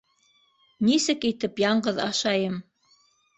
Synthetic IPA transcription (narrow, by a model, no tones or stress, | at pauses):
nisɘkit̪ɘpjɑɴɢɤðɑ̰ʃɑjɤm